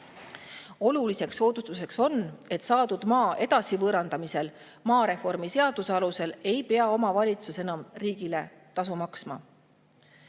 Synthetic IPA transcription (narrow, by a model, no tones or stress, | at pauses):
o̞lulise̞kso̞ːd̪ust̪use̞kso̞ne̞t̪sɑːd̪ud̪̥mɑːʔe̞d̪̥ɑsivɤːɾɑnd̪ɑmise̞l | mɑːɾe̞fo̞rmise̞ɑd̪̥usɑluse̞le̞jpe̞ɑo̞mɑvɑlʲit̪susenɑmriːɡ̥ile̞ | t̪ɑs̬umɑksmɑ